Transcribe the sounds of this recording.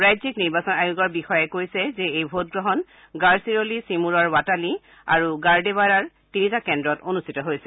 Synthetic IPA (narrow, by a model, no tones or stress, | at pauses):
ɹajzikniɹbasɔnajuɡɔɹbixɔjɛkoɹjsɛzɛejbʱot̚ɡɹɔɦɔn | ɡaɹsiɹolisimuɹɔɹwatali | a̰ɹuɡaɹdeβaɹaɹ | tinitakɛndɹɔtonustʰitɔɦojsɛ